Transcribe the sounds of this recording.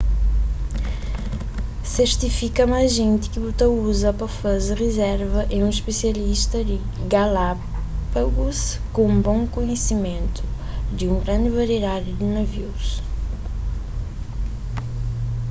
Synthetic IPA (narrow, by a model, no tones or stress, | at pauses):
seɾt̪ifikɐmajzʒẽnt̪ɪ̥kɪut̪ɐuzɐpɐfɐzʁezɛɾvɐʔẽũiʃpesiɐliʃt̪ɐd̪ɪ | ɡala | pɐɡuskõbõŋkuɲesimẽnt̪u̥ | d̪ɪũɡɾɐ̃nd̪ɪvɐɾed̪adud̪ɪnɐviws